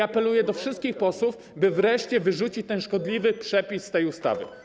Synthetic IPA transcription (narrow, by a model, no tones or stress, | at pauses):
apɛlujɛd̪ɔfʂɘst̪kʲixpɔswuf | bɘvɾɛʂt͡ɕɛvɘʐut͡ɕit͡ɕt̪ɛnʂkɔd̪lʲivɘpʂɛpʲisːt̪ɛjust̪a̰vɘ̰